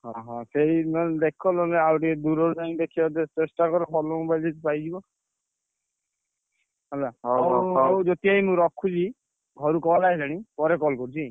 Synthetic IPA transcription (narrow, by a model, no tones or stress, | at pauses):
ɦɔ̃ɦɔ̃seimɔd̪ekʰɔlɔneawʈid̪uɾɔɾud̪aĩd̪ekʰibad̪et͡ʃesʈakɔɾɔpɔlɔũbajd͡ʒet̪ipajd͡ʒibɔ | ɔlaɦɔwd͡ʒɔt̪iaimũɾɔkʰːut͡ʃʰi | ɡʱɔɾukɔlaed͡ʒaɽ̃ipɔɾekɔlkɔɾut͡ʃʰi